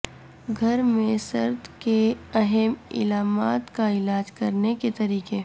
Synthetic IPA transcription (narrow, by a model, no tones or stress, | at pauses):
ɡʱɐɾmẽsɐ̰ɾt̪keɐɦɛmɪ̰laːma̰ːt̪kaɪlaːd͡ʒkɐɾneket̪ɐɾiːke